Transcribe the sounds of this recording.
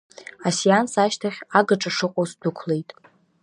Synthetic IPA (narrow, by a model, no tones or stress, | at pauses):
asijansaʃtʰaχʲaɡaʈ͡ʂʼaʂɨqʷʼozdʊkʷʰle̞jtʼ